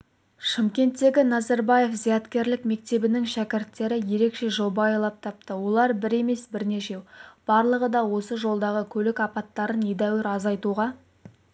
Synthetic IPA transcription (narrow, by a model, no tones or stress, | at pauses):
ʃɪmkʲe̞nt̪ːe̞ɡʲɪnɑzɑɾbɑje̞fzijɑt̪kʲe̞ɾlɪkme̞k̚t̪e̞bɪnɪŋʃækʲɪɾt̪ːe̞ɾɪje̞ɾe̞kʃe̞ʒo̞bɑɑjlˠɑp̚t̪ʰɑp̚t̪əwo̞lˠɑɾbɪɾe̞me̞sbɪɾne̞ʃe̞b̥ɑɾlˠəʁəd̪ɑwo̞səʒo̞lˠd̪ɑʁəkʲʰɵlɪkɑpɑt̪ːɑɾəned̪æwɪɾɑzɑjt̪uʁɑ